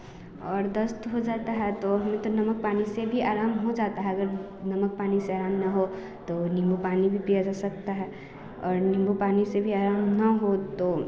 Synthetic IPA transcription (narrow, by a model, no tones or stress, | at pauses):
ɔːɾd̪ɐst̪ɦod͡ʒaːt̪aɦɛt̪oɦɐmẽt̪onɐmək̚paːnisebʱiaːɾaːmɦod͡ʒaːt̪aɦɛɐɡəɾ | nɐmək̚paːniseaːɾaːmnɐɦo | t̪onɪ̃mbupaːnibʱipijad͡ʒaːsɐk̚t̪aɦɛ | ɔːɾnɪ̃mbupaːnisebʱiaːɾaːmnɐɦot̪oː